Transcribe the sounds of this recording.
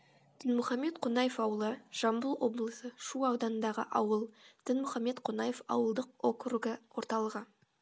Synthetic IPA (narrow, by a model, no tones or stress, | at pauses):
d̪̥ɪnmʊχɑmːe̞t̪qʰonɑjefɑwəlˠəʒ̥ɑmbəlˠwo̞blˠəsəʃuɑwd̪ɑnənd̪ɑʁə̰ʔɑwəlˠd̪̥ɪnmʊχɑmːe̞t̪qʰonɑjefɑ̰wəlˠd̪əq̚okruɡəwo̞ɾt̪ɑlˠəʁə